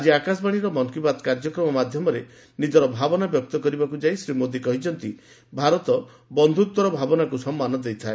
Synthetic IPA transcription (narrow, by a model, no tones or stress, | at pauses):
ad͡ʒiakas̬baɽ̃iɾɔmɔŋkibad̪kaɾd͡ʒɔkɾɔmɔmad̪ʱjɔmɔɾe | nid͡ʒɔɾɔbʱabɔnabjɔk̚t̪ɔkɔɾibakud͡ʒaisɾimod̪ikɔɦit͡ʃʰɔnt̪i | bʱaɾɔt̪ɔ | bɔnd̪ʱut̪wɔɾɔbʱabɔnakusɔmːanɔd̪ejt̪ʰae